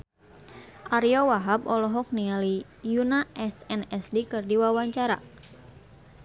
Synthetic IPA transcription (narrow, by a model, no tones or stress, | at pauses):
ʔaɾijɔwaɦabɔlɔɦɔk̚niali | junaʔɛsɛnɛsdikɨrdiwawaɲt͡ʃaɾa̰